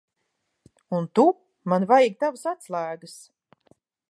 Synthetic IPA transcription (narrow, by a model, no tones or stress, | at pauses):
unt̪u | manvajiɡ̚t̪avasat̪slˠæːɡɨs